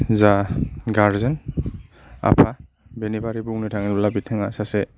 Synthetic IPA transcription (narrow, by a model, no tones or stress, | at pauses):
zaɡaɾzen | a̰pʰa | benibaɾibuŋnitʰaŋilbalabitʰeŋasase